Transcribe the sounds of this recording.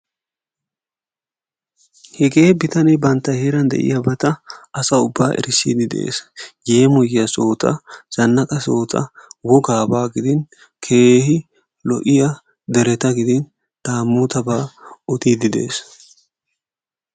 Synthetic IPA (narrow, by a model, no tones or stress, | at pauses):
hɛɡe̞ːbɪt̪ɐnɛbɐnt̪ːɐjheːɾɐnd̪ɛ̰ʔɪ̰jɐbɐt̪ɐɐsɐʊbːaːʔɛ̰ɾɪsḭːd̪ɪd̪ḛːsjeːmɔjɪjɐso̞ːt̪ɐ̰z̥ɐnːɐkʼɐso̞ːt̪ʰɐ̰wɔɡaːbaːɡɪd̪ɪn | kʰe̞ːhɪ | lɔʔɪjɐ | d̪ɛɾɛt̪ɐɡɪd̪ɪn | d̪̥aːmːuːt̪ɐbaːɔt̪iːd̪ɪd̪e̞̰ːs